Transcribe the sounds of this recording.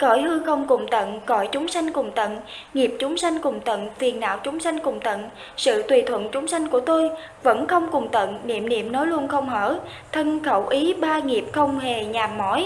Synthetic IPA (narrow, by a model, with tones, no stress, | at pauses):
kɔ˧˩jhɨ˧xə˧wŋ͡mkʊ˨˧˩ŋ͡mt̪ə̰˧˨nkɔ̰˧˩jt͡ɕʊ˨˦ŋ͡msa˧jŋ̟kʊ˨˩ŋ͡mt̪ə̰˧˨n | ŋi˨˩əp̚t͡ɕʊ˨˦ŋ͡msa˧jŋ̟kʊ˨˩ŋ͡mt̪ə̰˧˨nfi˨˩ənːa̰ː˧˨wt͡ɕʊ˨˦ŋ͡msa˧jŋ̟kʊ˨˩ŋ͡mt̪ə̰˧˨n | sɨ̰˧˨t̪wi˨˩t̪ʰwə̰˧˨nt͡ɕʊ˨˦ŋ͡msa˧jŋ̟ku˧˩ət̪o˧j | və̰˧˥nxə˧wŋ͡mkʊ˨˩ŋ͡mt̪ə̰˧˨nnḭ˧˨əmnḭ˧˨əmnɔ˨˦jlu˧ənxə˧wŋ͡mhəː˧˩ | t̪ʰə˧nxə˧˩wʔi˨˦ɓaː˧ŋi˨˩əp̚xə˧wŋ͡mhe˨˩ɲaː˨˩mmːɔ˧˥j